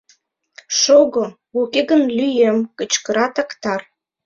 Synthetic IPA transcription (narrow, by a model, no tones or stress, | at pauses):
ʃoɣŏ | ukeɣənlyjemkə̆t͡ɕkə̆ɾɑt̪ɑkt̪ɑr